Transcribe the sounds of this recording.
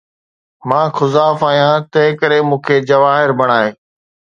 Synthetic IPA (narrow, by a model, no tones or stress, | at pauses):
mãːxʰʊzaːfaːɦijãːt̪ɐ̃ɦɪ̃kəɾemũːkʰeːd͡ʑɐʋaːɦɪɾbʱɐɽ̃aːɦeː